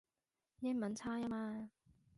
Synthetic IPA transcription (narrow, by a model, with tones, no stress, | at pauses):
jɪ˥ŋmɐ˨nt͡sʰaː˥ja˥maː˧